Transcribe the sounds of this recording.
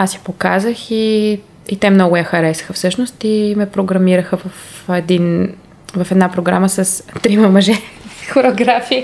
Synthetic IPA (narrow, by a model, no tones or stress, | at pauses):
asjipokazəxi | it̪ɛmnɔɡʊjɐxɐɾɛsxəfsɤʃnost̪imɛpɾoɡɾɐmiɾəxəvɐfɛd̪in | vɐfɛd̪napɾoɡɾa̰məsɐst̪ɾimɐmɐʒɛxoɾoɡɾafiː